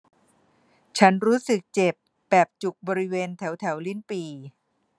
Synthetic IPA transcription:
t͡ɕʰa˦˥nɾuː˦˥sɯ˨˩k̚t͡ɕe˨˩p | bɛː˨˩p̚t͡ɕu˨˩k̚bɔː˧ɾi˦˥weː˧nt̪ʰɛ˩˦wt̪ʰɛ˩˦wli˥˩npiː˧

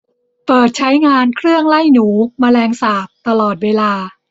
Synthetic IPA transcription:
pɤː˨˩t̪̚t͡ɕʰa˦˥jŋaː˧nkʰɾɯ˥˩əŋla˥˩jnuː˩˦maː˧lɛː˧ŋsaː˨˩p̚t̪a˧lɔː˨˩t̪̚weː˧laː˧

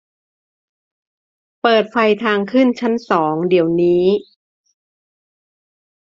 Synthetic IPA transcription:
pɤː˨˩t̪̚fa˧jt̪ʰaː˧ŋkʰɯ˥˩nt͡ɕʰa˦˥nsɔː˩˦ŋdi˨˩˦əwniː˦˥

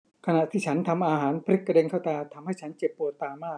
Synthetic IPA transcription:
kʰa˧na˨˩ʔt̪ʰiː˥˩t͡ɕʰa˦˥nt̪ʰa˧mʔaː˧ɦaː˩˦˥npʰɾi˦˥kːa˧de˧ŋkʰa˥˩wt̪aː˧t̪ʰa˧mha˥˩jt͡ɕʰa˦˥nt͡ɕe˨˩pːu˨˩ət̪ːaː˧maː˥˩k̚

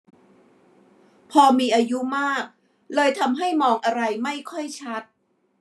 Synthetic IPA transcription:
pʰɔː˧miː˧ʔaː˧ju˦˥maː˥˩k̚ | lɤː˧jt̪ʰa˧mɦa˥˩jmɔː˧ŋʔa˧ɾa˧jma˥˩jkʰɔ˥˩jt͡ɕʰa˦˥t̪̚

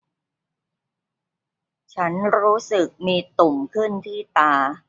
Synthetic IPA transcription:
t͡ɕʰa˦˥nɾuː˦˥sɯ˨˩k̚miː˧t̪u˨˩ŋkʰɯ˥˩nt̪ʰiː˥˩t̪aː˧

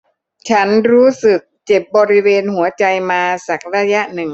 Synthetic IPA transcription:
t͡ɕʰa˦˥nɾuː˦˥sɯ˨˩k̚t͡ɕe˨˩p̚bɔː˧ɾi˦˥weː˧nɦu˩˦ɐt͡ɕa˧jmaː˧sa˨˩k̚ɾaː˧ja˦˥ʔnɯ˨˩ŋ

